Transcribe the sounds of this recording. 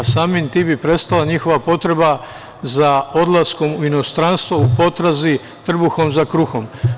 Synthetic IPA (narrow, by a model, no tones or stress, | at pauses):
saːmint̪ibipɾe̞st̪alˠaɲixo̞ʋapo̞t̪ɾe̞ba | zao̞d̪lˠasko̞muino̞st̪ɾanst̪ʋoupo̞t̪ɾazi | t̪r̩buxo̞mzakɾuxo̞m